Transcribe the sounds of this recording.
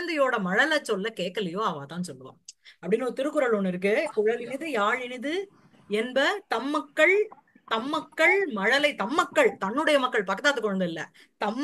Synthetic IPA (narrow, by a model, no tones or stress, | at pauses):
nd̪ɐjoːɽɐmɐɻɐlɐt͡ʃːɔlːɐkeːʈ̚kːɐlɪjoːɐʋãːt̪ãːnsɔlːɯʋa̰ːɐpːɐɽɪnːɔɾɯt̪ɪɾɯkːɯɾɐlɔnːɪɾɯk̬ːɯkʊɻɐlɪnɪðɯjaːɻɪnɪðɯ | ɛnbɐt̪ɐmːɐkːɐɭ | t̪ɐmːɐkːɐɭmɐɻɐlɐɪt̪ɐmːɐkːɐɭt̪ɐɳːɯɽɐjɐmɐkːɐɭpɐkːɐt̪aːt̪ːɯkːɔɻɐnd̪ɐɪlːɐ̰ | t̪ɐmː